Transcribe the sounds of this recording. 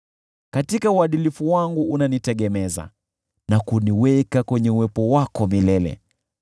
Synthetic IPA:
katikauaɗilifuwaŋɡuːnanitɛɠɛmɛza̰ | nakuniwɛkakwɛɲɛuwɛpɔwakɔmilɛlɛ̰

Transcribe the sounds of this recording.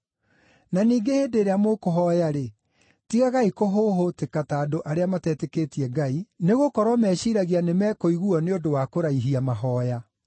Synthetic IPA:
naniːɡeheːdeɾeamokoɦɔjaɾe | tiɣaɣaikoɦoɦotekataːdoʔaɾeamatɛteketiɛɡaineɣokɔɾwamɛːʃiɾaɣianemɛːkoiɣuɔneodowakoɾaiɦiamaɦɔːja

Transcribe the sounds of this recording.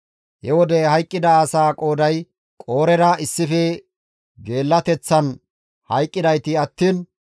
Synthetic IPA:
hɛwɔd̪ɛhɐjkʼːɪd̪ɐːsaːkʼo̞ːd̪ɐj | kʼo̞ːɾɛɾɐɪsːɪfɛ | ɡe̞ːlːɐt̪ɛt͡sːɐn | hɐjkʼːɪd̪ɐjt̪ɪɐt̪ːiːn

